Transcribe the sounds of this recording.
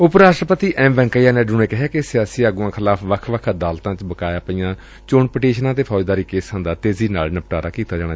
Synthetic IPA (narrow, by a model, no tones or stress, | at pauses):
ʊpɾaːʃʈɾəpət̪iːʔɛ̃ːmbɛ̃ːŋkəjaːnẽːɖʊnẽːkɪɦɛːkɪsɪjaːsiːaɡuãːkʰɪlaːpʰʋəkʰʋəkʰd̪aːlt̪ãːt͡ʃbəkaːjaːpijãː | t͡ʃoːɳpəʈeːʃnãːt̪̬eːpʰɔːd͡ʒd̪aːɾiːkeːsə̃nd̪aːt̪eːziːnaːlnəpʈaːɾaːkiːt̪aːd͡ʒaːɽ̃aː